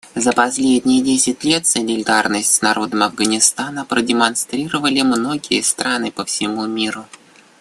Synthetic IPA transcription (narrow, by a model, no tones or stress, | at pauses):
zəpɐsʲlʲedʲnʲɪjədʲesʲɪtʲlʲe̞t̪sənʲɪlʲɪd̪arnəsʲtʲsnɐɾʔo̞d̪əmɐvɡənʲɪst̪anəpɾədʲɪmɐnst̪ɾʲiɾəvəlʲɪmno̞ɡʲɪjəst̪ɾʔanɨpəfsʲɪmumʲiɾʊ